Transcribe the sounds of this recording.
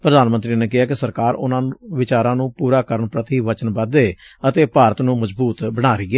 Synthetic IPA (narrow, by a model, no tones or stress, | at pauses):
pɾəd̪aːnmənt̪ɾiːneːkɪɦaːkɪsəɾkaːɾʊ̰nãːʋɪt͡ʃaːɾãːnũːpuːɾaːkəɾəɳpɾət̪iːʋət͡ʃənbəd̪eːət̪eːpaːɾət̪nũːməzbuːt̪bəɽ̃aːɾiːɡeː